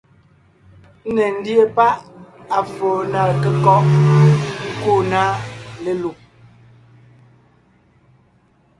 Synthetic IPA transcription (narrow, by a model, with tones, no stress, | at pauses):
nɛ˨n̩˦dje˦pa˦ʔa˨fɔː˨na˨kɛ˨kɔ˦ʔ | ku˦˨na˦le˨lu˨p̚